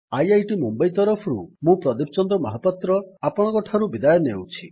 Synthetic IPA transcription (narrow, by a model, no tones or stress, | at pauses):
ajajʈimumbajt̪ɔɾɔpʰɔɾṵmũpɾɔd̪ipʰt͡ʃɔnd̪ɔmɔ̰ɦɔpːɔt̪ɾɔapɔɽ̃ɔkɔʈʰaɾubid̪ajɔnḛwt͡ʃʰi